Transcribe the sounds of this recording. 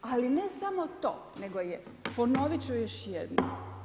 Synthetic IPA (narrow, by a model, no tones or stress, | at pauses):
alinesamo̞t̪o̰ːne̞ɡoje | pono̞ʋit͡ɕujeʃjed̪no̰